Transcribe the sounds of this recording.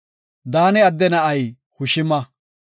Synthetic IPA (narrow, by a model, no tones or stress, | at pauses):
d̪aːnɛɐd̪ːɛnɐʔɐj | hʊʃɪmɐ